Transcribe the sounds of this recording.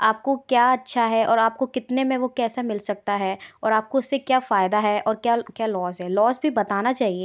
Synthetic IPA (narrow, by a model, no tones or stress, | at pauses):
aːp̚kokjaːɐtːʃʰaɦɛɔːɾaːp̚kokɪt̪nemẽʋokɛːsamɪlsɐk̚t̪aɦɛɔːɾaːp̚koɪsːekjaːfaːɪd̪aɦɛʔɔːɾkjaːkjaːlɔːsɦɛːlɔːsbʱibɐt̪aːnat͡ʃaːɦieː